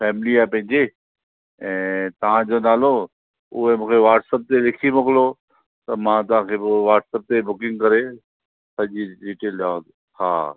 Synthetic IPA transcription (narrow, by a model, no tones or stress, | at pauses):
fʰɛːmɪliaːpɐ̃ɦɪ̃ɲd͡ʑe | ɛ̃ːt̪ɐʋ̤ãd͡ʑonaːlo | ʊɦemũːkʰeʋaːʈsəp̚t̪elɪkʰimoklo | t̪ɐmãt̪ɐʋ̤ãkʰeʋaːʈsəp̚t̪ebʊkɪ̃ŋɡ̚kɐɾe | sɐʄiɖiːʈelɗaːod̪ | ha̰ː